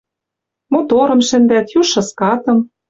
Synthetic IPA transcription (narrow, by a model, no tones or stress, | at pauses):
mot̪oɾɤ̆mʃɘ̆nd̪æt̪juʃːɤ̆skɑt̪ɤ̆m